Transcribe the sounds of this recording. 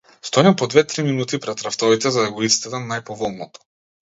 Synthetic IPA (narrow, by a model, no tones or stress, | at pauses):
st̪ɔɛmpɔd̪vɛt̪ɾiminut̪ipɾɛt̪ɾaft̪ɔvit̪ɛzad̪aɡɔist̪ɛd̪amnajpɔvɔlˠnɔt̪ɔ̥